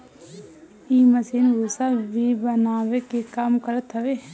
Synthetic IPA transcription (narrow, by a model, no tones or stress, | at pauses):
iːməsiːnɡʱusabʱibənaːʋekekamkəɾət̪ɦəʋeː